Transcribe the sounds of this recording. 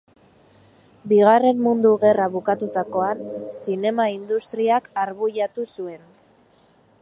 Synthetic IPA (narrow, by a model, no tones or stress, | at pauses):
biɣ̞are̞mmund̪uɣe̞raβukat̪ut̪ako̞ansine̞maind̪ust̪ɾiakaɾβujat̪usue̞n